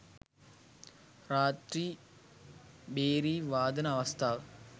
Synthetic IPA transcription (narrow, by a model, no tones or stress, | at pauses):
ɾaːʈri | beːɾiʋaːd̪ɐnɐɐʋɐst̪ʰaːʋ